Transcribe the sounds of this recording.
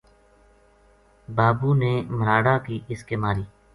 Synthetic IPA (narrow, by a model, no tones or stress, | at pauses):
baːbuːneːməɾaːɽaːkiːʔɪskeːmaːɾiː